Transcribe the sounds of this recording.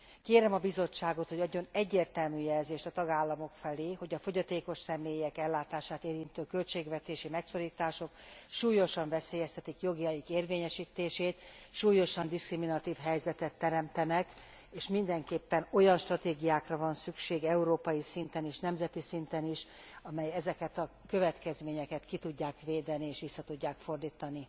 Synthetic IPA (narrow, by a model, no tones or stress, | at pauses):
keːɾɛmɒbizo̞t͡ʃːaːɡo̞t̪ho̞ɟɒɟːo̞nɛɟːeːrt̪ɛlmyːjɛlzeːʃt̪ɒt̪ɒɡaːlːɒmo̞kfɛleːho̞ɟɒfo̞ɟɒt̪eːko̞ʃsɛmeːjɛkɛlːaːt̪aːʃaːt̪eːɾint̪øːkø̞lt͡ʃeːɡvɛt̪eːʃimɛkso̞ɾiːt̪aːʃo̞kʃuːjo̞ʃɒɱvɛseːjɛst̪ʰɛt̪ikjo̞ɡiɒjikeːrveːɲɛʃiːt̪eːʃeːt̪ʃuːjo̞ʃɒnd̪iskriminɒt̪iːfɦɛjzɛt̪ɛt̪ːɛɾɛmt̪ɛnɛk | eːʃmind̪ɛŋkeːpːɛno̞jɒnʃt̪rɒt̪eːɡijaːkrɒvɒnsykʃeːɡɛuɾoːpɒjisint̪ɛneːʃnɛmzɛt̪isint̪ɛniʃɒmɛjɛzɛkɛt̪ɒ | køvɛt̪kɛzmeːɲɛkɛt̪kit̪uɟːaːkʋeːd̪ɛnieːʃʋisːɒt̪uɟːaːkfo̞rd̪iːt̪ɒni